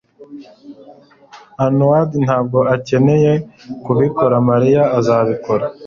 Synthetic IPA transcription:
anuwadin̥haːb̚ɡo̞ace̞ne̞je̞kuβiko̞ɾamaɾijaːzaːβiko̞ɾa

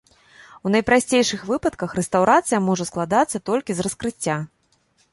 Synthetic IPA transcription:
wnɐjpɾasʲt͡sʲejʂɨxvɨpɐt̪kɐxrɛst̪awɾat̪sɨjɐmɔʐɐsklˠad̪at̪sːɐt̪ɔlʲkʲizrɐskɾɨt͡sʲːa

